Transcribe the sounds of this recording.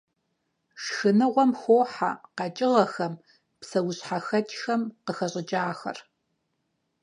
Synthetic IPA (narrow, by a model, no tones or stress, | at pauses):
ʂxɨnɨʁʷɔmxʷoːħa̰qɑt͡ʃʼɪʁɐxɐm | psɐwʊɕħaxɐtʼxɐmqəxɐɕʼɪd͡ʒʼaːxɐ̰r